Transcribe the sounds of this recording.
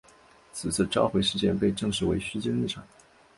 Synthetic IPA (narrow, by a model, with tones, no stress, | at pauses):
t͡sʰɹ̩˨˩t͡sɹ̩˥˩ʈ͡ʂɑ˥ʊxwe˧˥ɪʂɻ̩˥˧t͡ɕjɛ˥˧npe˥˧ɪʈ͡ʂɤ˥˩ŋʂɻ̩˧˥we˧˥ɪɕy˥t͡ɕi˥ŋli˥˩ʈ͡ʂʰɑ˨˩˦ŋ